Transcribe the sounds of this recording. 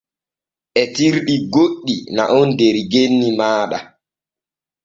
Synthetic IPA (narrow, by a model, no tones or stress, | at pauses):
ʔɛtiɾɗiɡoɗːina̰ʔɔndeɾiɡenːimaːɗa